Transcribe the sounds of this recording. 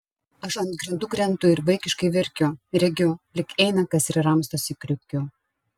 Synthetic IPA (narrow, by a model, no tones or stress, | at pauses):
ɐʃɐnd̪̚ɡɾʲɪnd̪ʊɡɾʲɛnt̪ʊɪɾʋɐɪkʲɪʃkɐɪʋʲɪɾʲkʲʊɾʲɛɡʲʊlʲɪkɛɪnɐkɐsɪɾɾɐmst̪osikɾʲʊkʲʊ